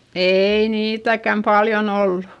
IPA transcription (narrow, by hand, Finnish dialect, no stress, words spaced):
eiː niːtækæm pɑljon olːu